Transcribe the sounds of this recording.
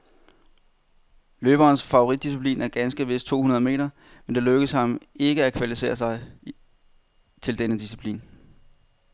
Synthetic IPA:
løːb̥ɐːnsfɑ̈oʁid̥ːis̬ipʰlḭːnæɐɡ̥ænsɡ̥əʋe̝sd̥̚t͡sʰo̝̰ːunɐðˠme̝̰ːɾ̥ɐ | mend̥e̝løɡ̥əshɑ̈me̝ɡ̥əækʰʋælifise̝̰ːɐsɑ̈ɪ | t͡sʰe̝ld̥enəd̥isi̥pʰlḭːn

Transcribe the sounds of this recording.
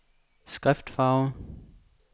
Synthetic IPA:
sɡ̥ʁɛfd̥fɑ̈ʊ

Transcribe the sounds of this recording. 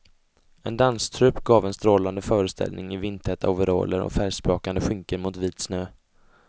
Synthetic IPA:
ɛnd̪anst̪ʰɾɵpːɡɑːvɛnst̪ɾoːland̪əfœːɾəst̪ʰɛ̰lnɪŋɪvɪnt̪ʰɛt̪a̰ʊvɛɾo̰ːlə̰ɾɔ̰fæːʂpɾɑːkand̪əɧʏŋkəɾmʊt̪viːt̪snøː

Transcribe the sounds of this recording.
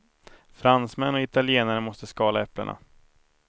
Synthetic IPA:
fɾansmɛnːɔɪt̪aljeːnaɾəmɔst̪əskɑːlaɛplə̰ɳʔa̰

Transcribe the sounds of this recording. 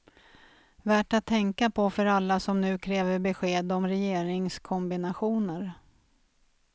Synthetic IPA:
væːʈat̪ʰːɛŋkapʰɔfœɾalːasɔmnʉ̟ːkʰɾɛːvəɾbɛɧeːd̪ɔmɾɛjeːɾɪŋskʰɔmbɪnaɧuːnəɾ

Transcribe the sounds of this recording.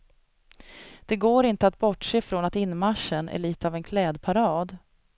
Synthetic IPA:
d̪̥ɛɡoːɾɪnt̪əat̪̚bɔʈʂeːfɾonat̪ɪnːmaʂːənʔæ̰ɭiːt̪əavɛnkʰlɛːd̪pʰaɾɑːd̪

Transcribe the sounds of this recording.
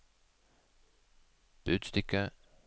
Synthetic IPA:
b̥ʉːd̪̥st̪ʏkə

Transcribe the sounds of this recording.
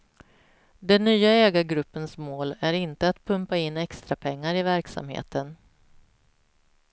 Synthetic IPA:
d̪ɛnːyːaɛːɡaɡɾɵpːənsmoːlæɾɪnt̪əat̪pʰɵmpaɪnːɛkst̪ɾapʰɛŋːaɾɪvæɾksa̰mhḛːt̪ʰən

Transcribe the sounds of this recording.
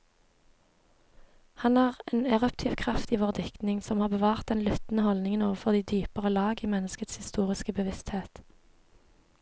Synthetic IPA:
hɑnæːʁeːnɛʁʉpt̪ʰɪːʋkʰʁɑft̪iːʋoːʁd̪ʏkt̪nɪŋsɔmhɑːbəʋɑːʁt̪̚d̪ɛnlʉt̪n̩əhɔld̪ɪŋənoːʋəfɔʁd̪iːd̪yːpəʁəlɑːɡiːmɛnəskət̪shɪst̪uːʁɪskəbəʋɪst̪heːt̪

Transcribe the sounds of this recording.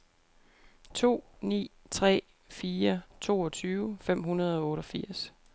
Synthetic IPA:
t͡sʰo̝̰ːnḭː | t͡sʰʁɛ̰ː | fiːɐt͡sʰo̝̰ːɒ̽t͡sʰyːʊfem̰ɦunɐð̞ˠɒ̽ɔ̽ːɾɒfiɐ̰s

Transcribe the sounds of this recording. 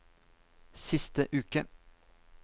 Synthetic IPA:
sɪst̪əʔʉːkə

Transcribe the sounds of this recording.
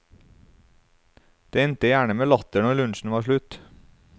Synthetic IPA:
d̪̥eːɛnt̪əjæːɳəmeːlɑt̪əɳɔlʉnʃn̩ʋɑːʃɭʉt̪

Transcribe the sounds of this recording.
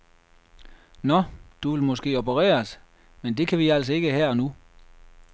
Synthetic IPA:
nɒd̥uʋe̝lmɔ̽sɡ̥e̝̰ːobʰəʁɛ̰ːɐs | mend̥e̝kʰæʋiæl̰s̬ɒ̽e̝ɡ̥əɦæɐ̰ɒnu

